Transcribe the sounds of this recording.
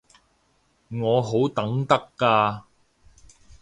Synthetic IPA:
ŋɔː˨˧ɦo˨˥wt̪ɐ˨˥ŋt̪ɐ˥kːaː˧

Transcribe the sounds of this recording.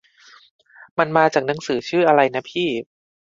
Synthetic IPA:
ma˧nmaː˧t͡ɕaː˨˩k̚na˩˦ŋsɯː˩˦t͡ɕʰɯː˥˩ʔa˧ɾa˧jna˦˥pʰiː˥˩

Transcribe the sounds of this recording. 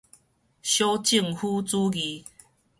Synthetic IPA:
ɕjo˦t͡ɕi˥˧ŋhu˦t͡su˦ɡi˨˦

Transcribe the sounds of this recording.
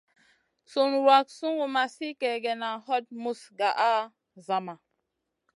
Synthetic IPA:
su˨nwa˨k̚su˦ŋɡu˨ma˨si˦kɛ˨ɡɛ˨na˨hɔ˦t̚mu˦sɡa˨ʔa˦ | za˨ma˨

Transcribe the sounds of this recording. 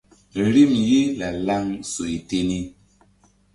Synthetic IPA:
ɾi˦mje˦la˨la˦ŋso˨i˨te˦ni˦

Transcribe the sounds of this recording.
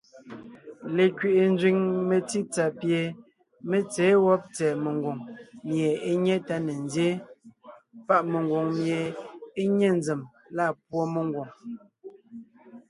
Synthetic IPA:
le˨kɥe˨ʔe˨n˦d͡zɥi˨ŋme˨ti˦t͡sa˨pje˨ | me˦t͡sɛː˨˦wɔ˦p̚t͡sɛː˨me˨ŋɡwo˨ŋmje˨e˦ɲɛ˦ta˦ne˨ndje˦ | pa˦˨ʔme˨ŋɡwo˨ŋmje˨e˦ɲɛ˦˨nd͡ze˨m | la˦˨p̚wo˦me˨ŋ˦ɡwo˨ŋ

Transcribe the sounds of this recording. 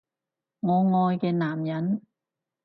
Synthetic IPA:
ŋɔː˨˧ŋɔː˧jkɛː˧naː˨˩mjɐ˨˥n

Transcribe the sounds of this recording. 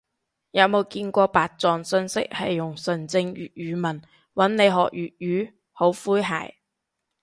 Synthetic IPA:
jɐ˨˧wmo˨˧wkiː˧nkʷɔː˧paː˨t̚t͡sɔː˨ŋsɵ˧nsɪ̰˥k̚hɐ˨jːʊ˨˩ŋsɵ˨˩nt͡sɪ˧ŋjyː˨t̚jyː˨˧˥mɐ˨˩n | wɐ˨˥nne˨˧jɦɔ̰ː˨k̚jyː˨t̚jyː˨˥ | ho˨˥wfuː˥jɦa̰ː˨˩j

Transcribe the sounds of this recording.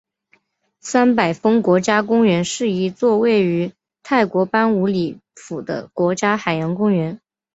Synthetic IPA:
sa˥npa˨˩ɪfɤ˥ŋkwɔ˧˥t͡ɕja˥kʊ˥ŋɥɛ˧˥nʂɻ̩˥˩i˧˥t͡swɔ˥˧we˥˩ɪy˧˥ | t̪ʰa˥˩ɪkwɔ˧˥pa˥nu˧˥li˨˩fu˨˩d̪ə̰˦kwɔ˧˥t͡ɕja˥xa˨˩ɪjɑ˧˥nkʊ˥ŋɥɛ˧˥n

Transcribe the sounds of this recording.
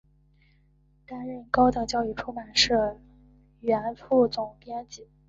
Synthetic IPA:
k̪a˥nɻə˥˩nkɑ˥ʊt̪ɤ˨˩t͡ɕjɑ˥˧ʊy˥˩ʈ͡ʂʰu˥ma˨˩nʂɻ̩˥˩ | ɥɛ˧˥nfu˥˩t͡sʊ˨˩ŋt̪jɛ˥nt͡ɕi˨˧˩

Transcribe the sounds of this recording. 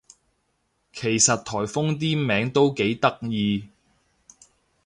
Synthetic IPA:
kʰe˨˩jsɐ˨t̚t̪ʰɔː˨˩jfʊ˥ŋt̪̬iː˥mɛː˨˥ŋt̪o˥wke˨˥jt̪ɐ˥k̚jiː˧

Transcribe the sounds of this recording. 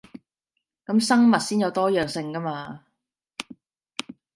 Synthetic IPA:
kɐ˨˥msɐ˥ŋmɐ˨t̚siː˥njɐ˨˧wt̪ɔː˥jœː˨ŋsɪ˧ŋkɐ˥maː˧

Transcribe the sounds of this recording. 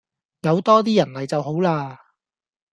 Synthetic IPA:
jɐ˨˧wt̪ɔː˥t̪̬iː˥jɐ˨˩nlɐ˨jt͡sɐ˨wɦo˨˥wlaː˧

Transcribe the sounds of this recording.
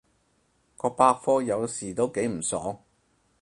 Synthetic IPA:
kɔː˧paː˧k̚fɔː˥jɐ˨˧wsiː˨˩t̪o˥wke˨˥jm̩˨˩sɔː˨˥ŋ

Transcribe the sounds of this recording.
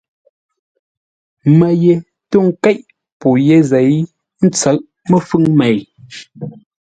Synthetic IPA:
mɛ˨je˨ | tu˦˨ŋ̩˦kɛ˦ʔ | po˨je˦zɛ˨j | n̩˦t͡sə˨˦˨ʔ | mə˦fʉ˦ŋmɛ˨j

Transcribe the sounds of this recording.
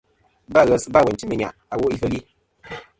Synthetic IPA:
ba˦˨ɣə˨sba˦˨wɛ˨t͡ʃi˦nɨ˨ɲa̰˨ʔa˨wo˦ʔi˦fə˦˨li˦

